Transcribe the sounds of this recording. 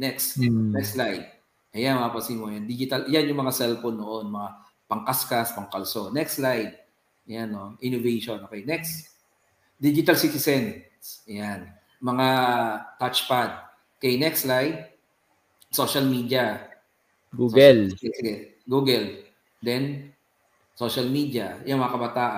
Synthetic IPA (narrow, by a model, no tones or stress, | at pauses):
nɛksɛnɛkslajd̪̚ | ʔɐjanmɐapɐsimojand̪id͡ʒɪt̪ɐlʔjanjʊŋmɐŋasɛlfonːoʔonmɐŋa | pɐŋkaskaspɐŋkɐlso̞nɛkslajd̪̚ | janːoʔɪnovɛjʃonʔokɛjnɛks | d̪id͡ʒɪt̪ɐlsit̪ɪsɛn | sjan | mɐŋat̪at͡ʃpad̪̚ | kɛjnɛkslajd̪̚ | so̞ʃɐlmiːd̪ɐ | ɡuɡɛlɛsɪɡɛ | ɡuːɡɛl | d̪ɛn | soʃɐlmid̪jɐjʊŋmɐŋakɐbat̪aːʔ